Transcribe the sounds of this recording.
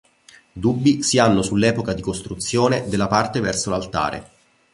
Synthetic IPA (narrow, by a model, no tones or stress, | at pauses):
d̪ubːisianːosulːɛːpokad̪ikost̪ɾut̪sːjoːned̪elːapart̪evɛrsolalt̪a̰ːɾʔḛ